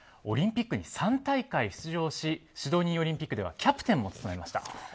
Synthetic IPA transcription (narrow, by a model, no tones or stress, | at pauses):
o̞̰ɾʲĩmpʲikːɯ̟ɲ̟isãnt̪aikaiɕt͡sɨʑo̞ːɕiɕid̪o̞ːɲ̟ĩɰ̃o̞ɾʲĩmpʲikːɯ̟d̪e̞a̰kʲapɯ̟̥t̪ẽ̞mːo̞t͡sɨ̥t̪omaemaɕi̥t̪a̰